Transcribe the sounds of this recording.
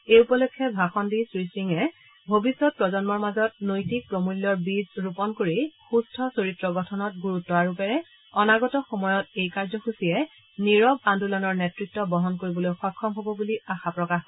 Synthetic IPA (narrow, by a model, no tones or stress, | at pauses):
ejupɔlokʰːɛbʱaxɔndisɹisiŋɛ | bʱobisːɔt̚pɹɔzɔnmɔɹmazɔt̚nojtik̚pɹomuljɔɹbizɹupɔnkoɹixustʰɔsoɹitɹɔɡɔtʰɔnɔt̚ɡuɹutːɔwaɹupɛɹɛ | ɔnaɡɔtɔxomɔjɔtejkaɹzɔxusijɛ | niɹɔbandulɔnɔɹnetɹit̚tːɔbɔɦɔnkoɹibɔlojxɔkʰːɔmɦobɔbuliaxapɹɔkax